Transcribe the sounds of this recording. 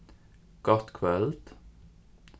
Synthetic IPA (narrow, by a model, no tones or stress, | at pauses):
ɡ̥ɔt̪kʰwɛlt̪